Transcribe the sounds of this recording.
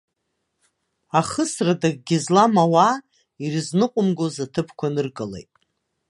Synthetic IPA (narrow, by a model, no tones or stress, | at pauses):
aχəsradaɡ̚ɡʲɪzlamawa | iriznɨqʷʼʊmɡozatʰɨpʰkʷʰanɨrɡɨlejtʼ